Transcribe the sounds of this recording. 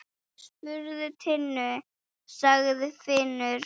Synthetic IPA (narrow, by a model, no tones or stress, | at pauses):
spʏɾðʏt̪ʰɪnːʏ | saɣðʏfɪnʏɾ̥